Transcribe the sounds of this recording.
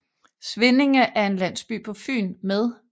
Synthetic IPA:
sʋene̝ŋəʔæɐe̝nlæn̰sb̥y̰ːpʰɒ̽fy̰ːnmeð̞ˠ

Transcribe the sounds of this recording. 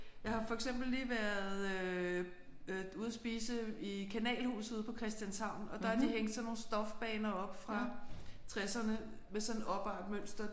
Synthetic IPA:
jɑ̈ɪhɑ̈fɒ̽eɡ̥semb̥l̩ːiːʋæɐðˠø | uð̞ˠɐsb̥iːsəikʰænɛ̰ːlhṵːsuðˠpʰɒ̽kʰʁɛsd̥jænsɑ̈ʊ̰nɒ̽d̥ɑ̈hɑ̈d̥iɦeŋ̰d̥sɒ̽nːo̝ːn̩sd̥ɒ̽fb̥ɛːnɐɒ̽b̥fʁɑ̈t͡sʰʁɛsɐnə | mesɒ̽nɒ̽b̥ɑ̈ːd̥møn̰sd̥ɐ

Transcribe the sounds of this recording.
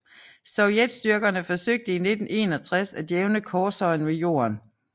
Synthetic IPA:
sɒʊjed̥sd̥yɐɡ̥ɐnəfɒ̽søɡ̥̚d̥əine̝d̥n̩ʔe̝̰ːnɒ̽t͡sʰʁasæd̥jeʊnəkʰɒːsɒ̽ɪnʋe̝jo̝̰ːɐ̰n

